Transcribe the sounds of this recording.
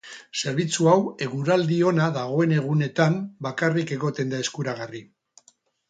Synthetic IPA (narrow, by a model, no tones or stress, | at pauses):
se̞ɾβ̞it͡suawe̞ɣuɾald̪io̞naðaɣo̞e̞ne̞ɣ̞une̞t̪ambakarike̞ɣo̞t̪e̞nd̪ae̞skuɾaɣari